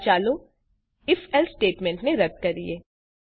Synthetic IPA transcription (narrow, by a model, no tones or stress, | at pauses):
t͡ʃaːlo | ɪfɛlsʈeːʈmɛ̃ɳʈneɾɐɡ̚kɐɾlḭeː